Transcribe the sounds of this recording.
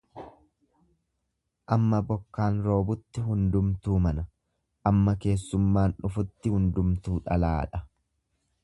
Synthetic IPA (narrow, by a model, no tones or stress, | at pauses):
ʔɐmːɐbɔkːaːnɾo̞ːbʊt̪ːɪɦʊnd̪ʊmt̪uːmɐnɐ | ʔɐmːɐke̞ːsːʊmːaːnᶑʊfʊt̪ːɪhʊnd̪ʊmt̪uːᶑɐlaːᶑɐ